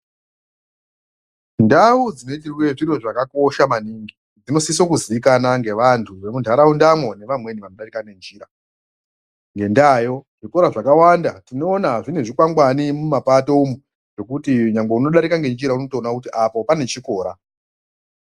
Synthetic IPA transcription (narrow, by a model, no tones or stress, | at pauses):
ndaud͡zino̞itirwe̞ʐiroʐakako̞ʃamaniŋɡi | d͡zino̞sisokuziikanaŋɡe̞ʋantʰuʋe̞mundʱaɾaundamwo̞ne̞ʋamwe̞niʋano̞ɗaɾikane̞nd͡ʒiːɾa | ŋɡe̞ndaːjo̞ʐ̥iko̞ɾaʐakawandatino̞ːnaʐine̞ʐikwaŋɡwanimumapato̞umu | ʐ̥o̞kutiɲaŋɡeuno̞ɗaɾikaŋɡe̞nd͡ʒiɾauno̞toːnakutiʔapo̞pane̞t͡ʃiko̞ːɾa